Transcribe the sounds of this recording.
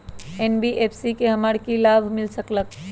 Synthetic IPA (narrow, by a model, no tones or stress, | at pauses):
eːnbiʔeːpʰsikeɦɐmaɽkilaːbʱmɪlsəklək̚